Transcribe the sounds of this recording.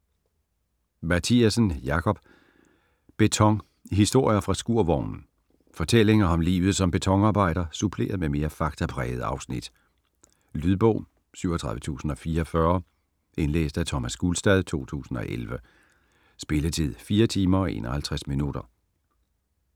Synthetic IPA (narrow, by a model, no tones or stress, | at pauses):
mæt͡sʰiæsən̩jɑ̈kʰɒ̽b̥ | b̥e̝t͡sʰɒ̽ŋ | ɦisd̥o̝ɐ̰jɐfʁɑ̈sɡ̥uɐ̰ʋɒʊ̰nn̩ | fɒ̽t͡sʰel̰e̝ŋɐɒ̽mlḭːʊð̞̩ˠsɒ̽mb̥e̝t͡sʰɒ̽ŋɑ̈ːb̥ɑ̈ɪ̰ɾ̥ɐsupʰle̝̰ːɐðˠmeme̝ːɐfɑ̈ɡ̥t͡sʰæpʰʁɛːð̞̩ˠɑ̈ʊsnid̥ | lyðˠb̥ɔ̰̽ʊ̰ | syʊɒt͡sʰʁɑ̈ðˠʋət͡sʰṵːsn̩ɒ̽fiːɐfɶɐ | e̝nlḛːsd̥æt͡sʰɒmæsɡ̥ulsd̥ɛðˠt͡sʰo̝̰ːt͡sʰṵːsn̩ɒ̽ʔelʋə | sb̥e̝ləðˠt͡sʰið̰ˠfiːɐt͡sʰiːmɐɒ̽e̝̰ːnʔɒ̽hælt͡sʰʁasminuɾ̥ɐ